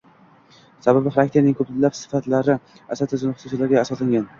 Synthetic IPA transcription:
sababɪχaɾak̚t̪ʰeɾnɪŋkʰɵplɪlːapsɪ̥fat̪laɾɪ | asat̪ʰɪzɪnχʊsusalaɾɡʲaːsɒslaŋɡʲan

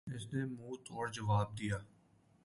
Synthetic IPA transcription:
ɪsnemuːt̪ʰɔːɾd͡ʒɐʋaːb̚d̪ijaː

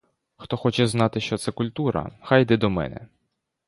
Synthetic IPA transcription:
xt̪ɔxɔt͡ʃɛznɑt̪ɪʃt͡ʃɔt̪sɛkʊlʲt̪uɾɐ̰xajd̪ɛd̪ɔmɛ̰nɛ̰

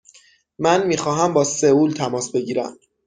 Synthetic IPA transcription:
mænmiːxɒːɦæmbɒːsevuːlt̪ʰæmɒːsbe̞ɟiːɾæ̰m

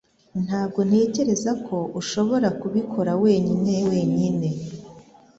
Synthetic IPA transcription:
n̥haːbɡo̞n̥he̞ːce̞ɾe̞zakʰo̞ʔuʃo̞βo̞ɾakuβikʰo̞ɾawe̞ːɲine̞we̞ːɲine̞

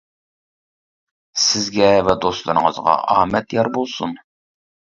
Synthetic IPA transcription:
sɪzɡʲɛvɛd̪ost̪lˠɨɾəŋəzʁɑ̰ʔɑːmɛt̪jɑɾbolˠsun

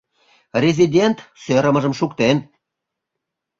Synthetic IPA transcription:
rʲezidʲent̪søɾə̆mə̆ʒə̆mʃukt̪en

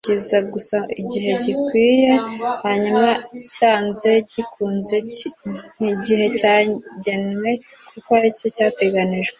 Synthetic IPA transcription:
ɟizaɡusaiɟiɦe̞ɟikwiːje̞haɲumacaːnze̞ɟikʰuːnze̞ | iɟihe̞caɟenwe̞ | kukoaɾico̞caːte̞ɡaniʒɡwe

